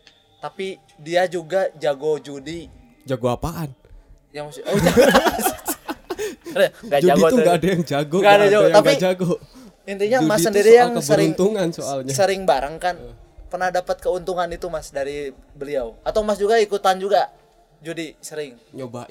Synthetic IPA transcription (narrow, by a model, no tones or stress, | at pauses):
t̪api | diad͡ʒuɡad͡ʒaɡod͡ʒudi | d͡ʒaɡoapaʔan | jaŋsoaɡ | ɡad͡ʒuadiɡot̪uŋɡaːdajaŋd͡ʒaɡɔŋɡaːdad͡ʒaɡotaɡid͡ʒaɡɔ | int̪iɲamasəndiɾijaŋkəsbəɾɪunt̪uŋansoalɲasəɾɪŋbaɾaŋkanpərnahdapət̪̚kəunt̪uŋanit̪umasdaɾibəliawat̪awmasd͡ʒuɡaikut̪and͡ʒuɡa | d͡ʒudisəɾɪŋ | t͡ʃoba